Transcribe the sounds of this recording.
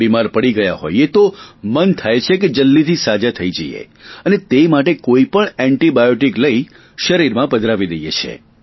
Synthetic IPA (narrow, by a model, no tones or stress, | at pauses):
imaɾpəɽiɡəja̰ɦo̰jet̪omənt̪ʰajt͡ʃʰeked͡ʒəlːit̪ʰisad͡ʒat̪ʰəid͡ʒəḭjḛ | ənet̪emaʈekoipəɳɛ̃ɳʈibajoʈikləi | ʃəɾiɾmãbəd̪ʱɾaʋid̪əjḛt͡ʃʰḛ